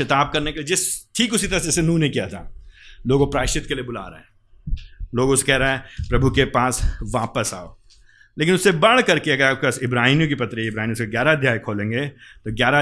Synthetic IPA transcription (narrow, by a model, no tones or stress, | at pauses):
ɐt̪aːb̚kɐɾnekelied͡ʒɪsʈʰiːkʊsit̪ɐɾɐsd͡ʒɛsenũːneĩkijat̪ʰa̰ːloːɡopɾaːɪʃɪt̪̚keliebʊla̰ːɾɐ̰ɛ̃ː | loːɡʊskɛːɾaɛ̃pɾɐbʱukepaːsʋaːpəsa̰ːo̰ː | leːkɪnʊsːebɐɽ̤kɐɾkeɐɡəɾaːp̚kasɪbɾaːɦnjõk̬ipɐt̪ɾiɪbɾaːɦiniuʊskeɡjaːɾad̪ʱjaːjkʰoːlẽːŋɡet̪oɡjaːɾa